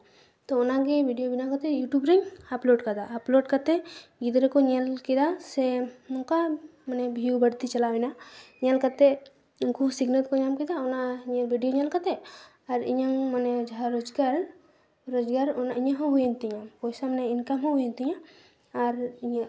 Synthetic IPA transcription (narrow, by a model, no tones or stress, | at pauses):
t̪ɔːnaɡebʱiɖijobinakat̪ɛjuʈubɾɛŋaploɖkad̪aːploɖkat̪ɛɡid̪ɾekɔɲelkid̪asɛnɔŋkamanɛbʱiubəɽt̪it͡ʃɐlawɛnaɲelkat̪ɛ | ʊnkusiɡnəlt̪kɔɲamkid̪aɔnaɲelbʱiɖijoɲalkat̪ɛ | aɾḭɲaŋmnɛd͡ʒaɦaɾod͡ʒɡaɾ | ɾod͡ʒɡaɾɔnaiɲãɦɔ̃ɦujent̪iɲãkɔjsamnɛɪnkamɦɔ̃ɦujent̪iɲãː | ɾiɲa